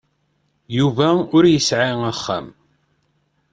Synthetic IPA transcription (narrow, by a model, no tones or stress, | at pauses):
juvæʊɾjəsʕiæχːæ̰m